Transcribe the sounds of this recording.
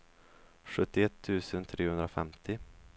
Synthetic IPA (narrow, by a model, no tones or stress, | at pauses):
ɧɵt̪ːɪɛt̪ʰːʉ̟ːsənt̪ʰɾeːhɵnd̪ɾafɛ̰mt̪ɪ